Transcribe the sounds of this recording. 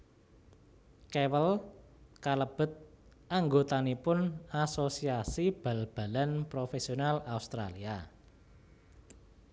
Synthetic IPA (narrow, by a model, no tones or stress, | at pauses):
kewəl | kaləb̥ə̤t̪̚ | ʔaŋɡot̪anipʊnasosiasib̥a̤lb̥a̤lanpɾofesionalaust̪ɾa̰lia